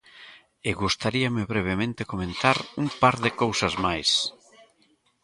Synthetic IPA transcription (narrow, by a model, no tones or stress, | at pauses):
eɣust̪aɾiamɪβɾeβ̞emẽnt̪ekomẽnt̪aɾumpaɾðɪkowsɐzmajs